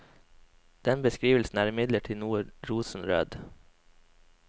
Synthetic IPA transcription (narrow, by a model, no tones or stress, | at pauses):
d̪̥ɛnbəskɾiːʋəl̩sn̩æːɾɪmɪd̪ləʈʰiːnuːɾuːsn̩ɾø̰ːd̪